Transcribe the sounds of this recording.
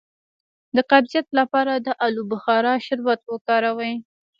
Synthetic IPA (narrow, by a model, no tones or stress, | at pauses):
d̪əqabzijat̪lapɑɾad̪əʔalubʊxɑɾɑʃɪɾwat̪̚wəkɑɾawaj